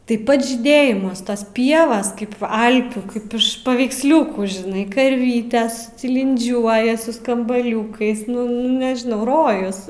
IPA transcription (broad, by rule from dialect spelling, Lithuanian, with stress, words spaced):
ˈtɐɪ ˈpɐts ʒʲiːˈdʲeːjɪmɐs toːs ˈpʲiɛʋoːs kɐɪp ˈɐlʲpʲuː ˈkɐɪp ɪʃ pɐʋʲɛɪksʲˈlʲʊkuː ʒʲɪˈnɐɪ kɐrʲˈʋʲiːtʲɛs tʲɪlʲɪnʲˈd͡ʒʲuɔjɛ sʊ skɐmbɐˈlʲuːkɐɪs ˈnʊ ˈnʊ nʲɛʒʲɪˈnɐʊ ˈroːjʊs